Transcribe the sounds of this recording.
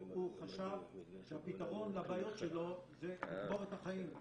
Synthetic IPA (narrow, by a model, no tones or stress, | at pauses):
uχaʃavʃehapit̪aʁo̞nlabaːjo̞t̪ʃelo̞zeitboet̪haχaim